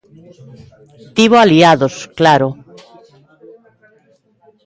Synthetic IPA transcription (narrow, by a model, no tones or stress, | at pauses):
t̪iβoaliaðosklaɾo